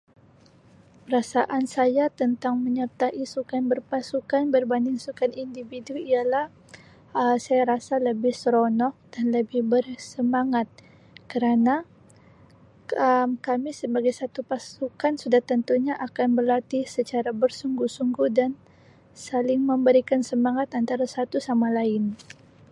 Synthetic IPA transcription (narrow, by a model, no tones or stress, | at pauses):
pəɾasaʔansajat̪ənt̪aŋməɲərt̪aʔisukanbərpasukanbərbandɪŋsukanindividuialah | əsajaɾasaləbɪhsəɾonɔk̚d̥anləbɪhbərsəmaŋat̪̚ | kəɾana | əmkamisəbaɡajsat̪upasukansudaht̪ənt̪uɲaʔakanbərlat̪isət͡ʃaɾabərsuŋɡusuŋɡuhdan | salɪŋməmbəɾikansəmaŋat̪ant̪aɾasat̪usamalaɪn